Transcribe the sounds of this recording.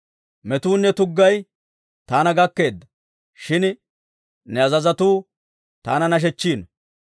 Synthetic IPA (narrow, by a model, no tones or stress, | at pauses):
mɛt̪uːnːɛt̪ʊɡːɐj | t̪aːnɐɡɐkːe̞ːd̪ːɐ | ʃɪn | nɛɐzɐzɐt̪uː | t̪aːnɐnɐʃ̬ɛt͡ʃːiːn